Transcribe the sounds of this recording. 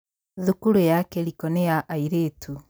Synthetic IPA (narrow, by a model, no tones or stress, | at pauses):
ðukuɾojakɛɾikɔnejaʔaiɾetu